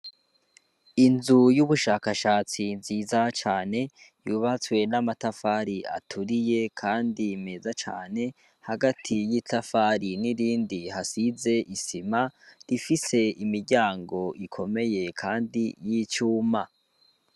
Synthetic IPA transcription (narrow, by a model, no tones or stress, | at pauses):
inzujuβuʃaːkaʃaːt͡sinziːzat͡ʃaːne̞juːβat͡swe̞namatafaːɾia̰tʰuɾije̞kʰaːndimezat͡ʃa̰ːne̞ | haɡatʰijitafaːɾiniɾiːndihasize̞ʔisimaɾifise̞imiɾɟaːŋɡo̞ʔikʰo̞me̞je̞kʰaːndijiːt͡ʃuːma